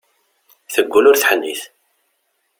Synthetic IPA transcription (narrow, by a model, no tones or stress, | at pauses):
θəɡʷːulʊɾθħənːḭθ